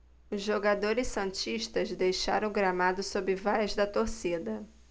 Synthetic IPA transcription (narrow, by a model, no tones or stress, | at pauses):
ʊzʒoɡad̪oɾɪssɐ̃nt͡ʃiʃt̪ɐzd̪ejʃa̰ɾɐ̃w̃ɡɾamad̪ʊsobɾɪvajɐzd̪ɐt̪oɾsid̪ɐ